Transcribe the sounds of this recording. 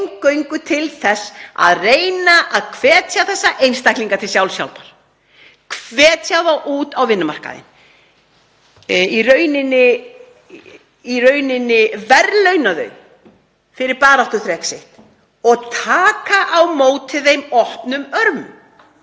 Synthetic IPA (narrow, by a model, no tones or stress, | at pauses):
ŋkːœɥŋkʏt̪ʰɪlθɛsːa̰ðreːjnaʔaðkʰvɛːt̪ʰjaθɛsːaʔejnst̪ajhkliŋkat̪ʰɪlsjawlsja̰wlpaɾ̥ | kʰvɛːt̪ʰjawðawʔuːt̪awvɪnːʏma̰r̥ka̰ðɪ̰n | irœɥnɪnːɪ | irœɥnɪnːɪvɛɾlœɥnaðœ̰ɥ | fɪɾɪɾpaːɾaht̪ʏθɾɛksɪht̪ | ɔɣt̪ʰaːkaʔawmoːwt̪ɪðejmɔhpnʏmœɾmʏm